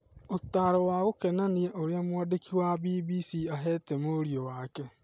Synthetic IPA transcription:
otaːɾɔwaɣokɛnanieʔoɾeamwaːdekiwabiːbisiaɦɛːtɛmoɾiɔwakɛ

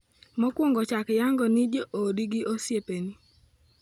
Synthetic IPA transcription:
mɔkwoŋɡɔt͡ʃakjaŋɡɔnɪd͡ʒeʔodiɡɪʔosjepeni

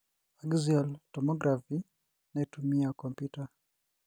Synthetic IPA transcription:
aɡziɔltɔmɔɡɾafi | naɛtumiakɔmpjuta

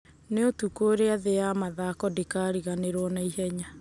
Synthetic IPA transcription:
neotukoɾeaðejamaðakɔdikaɾiɣaneɾwɔnaiɦɛɲa

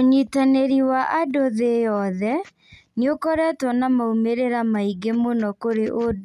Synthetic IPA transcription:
oɲitaneɾiwaʔadoðejɔðɛ | niokɔɾɛtwɔnamaumeɾeɾamaiɡemonɔkoɾeʔo

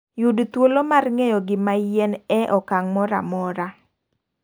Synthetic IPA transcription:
judt̪wolomarŋejɔɡɪmajɛnɛʔɔkaŋmɔɾa̰mɔɾa

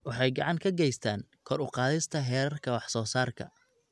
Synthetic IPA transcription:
wɑħɑjɡɑʕɑŋkʰɐɡɛjst̪ʰaːŋkʰɔɾʊqɑːðɪst̪ʰɐɦɛːɾɐrkʰɐwɑħsɔːsaːrkʰɐ̰

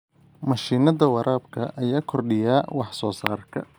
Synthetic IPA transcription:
mɐʃiːnɐðɐwɑɾʔaːbkʰɐʔɐjaːkʰɔrɖɪjaːwɑħsɔːsaːrkʰɐ̰

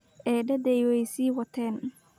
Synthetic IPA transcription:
ʔɛːɖɐd̪ɛjwɛjsiːwɐt̪ʰɛːn

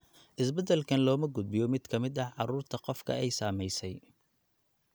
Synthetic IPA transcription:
ʔɪsbɐd̪ɛlkʰɐnlɔːmɐɡʊd̪̚bɪjɔmɪd̪kʰɐmɪd̪ɐħʕɑɾuːrt̪ʰɐqɔfkʰɐ̰ɛjsaːmɛjsɛj

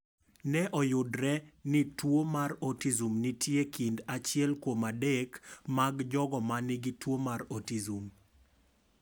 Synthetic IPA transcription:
nɛʔɔjʊdɾɛnɪtwomarɔtizumnɪtjekindat͡ʃɪɛlkwomadɛkmaɡd͡ʒɔɡɔmanɪɡɪtwomaɾɔtizum

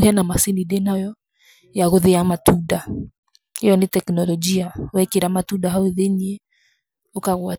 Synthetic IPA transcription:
ɣɛnamasinidenajɔ | jaɣoðeamatuda | hejɔnetɛknɔlɔd͡ʒiawɛkeɾamatudaɦaweðeɲe | okaɣwa

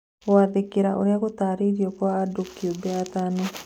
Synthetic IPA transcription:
oaðekeɾaʔo̰ɾjakot̪aːɾiɾiɔkwaːdokiobeat̪ano

